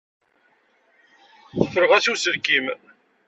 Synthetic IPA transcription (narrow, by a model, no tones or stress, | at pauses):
θəfəɾʁæsusəɾkim